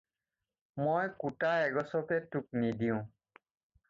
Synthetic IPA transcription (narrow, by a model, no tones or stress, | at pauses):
mojkutaɛɡɔsɔkɛtuk̚nidiʊ̃